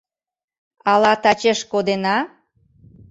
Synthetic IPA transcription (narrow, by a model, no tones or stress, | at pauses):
ɑlɑt̪ɑt͡ɕeʃkod̪enɑ